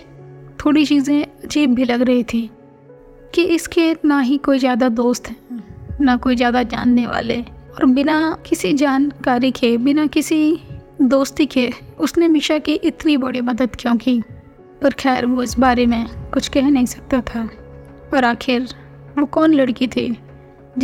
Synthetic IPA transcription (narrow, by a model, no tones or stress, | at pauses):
t̪ʰoːɽit͡ʃiːzẽɐd͡ʒiːbbʱilɐɡɾɐɦit̪ʰĩː | kiʔɪskenaɦikoːizjaːd̪ad̪oːst̪ɦɛnakoːizjaːd̪ad͡ʒa̰ːnːeʋa̰ːleɔːɾbɪnakɪsid͡ʒaːnkaːɾikʰebɪnakɪsid̪oːst̪ikeʊsnemɪʃakiʔɪt̪nibɐɽimɐd̪əd̪kijõːki | pɐɾxɛːɾʋoɪsbaːɾemẽkʊt͡ʃʰkɛɦnɐɦĩsɐ̥k̚t̪at̪ʰaː | ɔːɾaːxʰɪɾ | ʋokɔːnlɐɽkit̪ʰiː